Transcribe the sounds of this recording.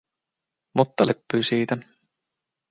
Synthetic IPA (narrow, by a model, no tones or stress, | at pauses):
mot̪ːɑlepːyːsiːt̪æ